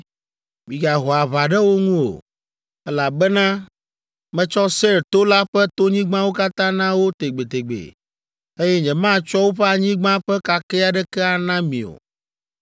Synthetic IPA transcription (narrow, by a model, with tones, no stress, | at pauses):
mĩ˨ɡa˨ɦɔ˨a˨βa˨ɖɛ˦wo˦ŋũ˦o̰˨ | ɛ˦la˨bɛ˦nã˦ | mɛ̃˦t͡ʃɔ˦se˦ɾt̪o˦la˦ɸɛ˦t̪o˦ɲĩ˦ɡ͡bã˦wo˦ka˦t̪ã˦nã˦wo˦t̪e˨ɡ͡be˨t̪e˨ɡ͡bḛ˨ | e˦jɛ˦ɲɛ̃˨mã˦t͡ʃɔ˦wo˦ɸɛ˦a˨ɲĩ˦ɡ͡bã˦ɸɛ˦ka˨kɛ˦a˨ɖɛ˦kɛ˦a˨nã˦mḭ̃˨o̰˨